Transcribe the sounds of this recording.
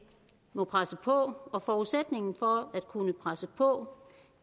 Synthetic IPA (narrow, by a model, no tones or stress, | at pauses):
mɔ̽pʰʁasəpʰɒ̽ɒ̽fɒːuðˠsed̥ne̝ŋn̩fɒ̽æd̥kʰunəpʰʁasəpʰɔ̽